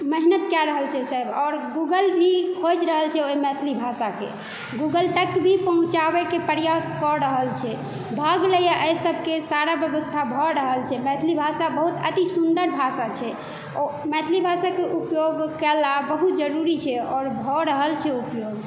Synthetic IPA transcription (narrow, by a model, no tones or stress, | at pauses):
məɦnət̪kjaɾəɦəlt͡ʃʰɛsəjbɔɾɡuɡəlbʱikʰod͡ʒɾəɦəlt͡ʃʰɛomɛt̪ʰlibʱasakḛ | ɡuɡəlʈəkbʱipəɦũt͡ʃabekepəɾjaskɔɾəɦəlt͡ʃʰɛ | bʱəɡləjaʔəjsəbʱkesaɾabjəbəst̪ʰabʱɔɾəɦəlt͡ʃʰɛmɛt̪ʰlibʱasabəɦut̪ət̪isund̪əɾbʱasat͡ʃʰɛ | mɛt̪ʰlibʱasakeʔupjoɡkɛlabəɦut̪d͡ʒəɾuɾit͡ʃʰɛɔːɾbʱɔɾəɦəlt͡ʃʰɛupjoɡ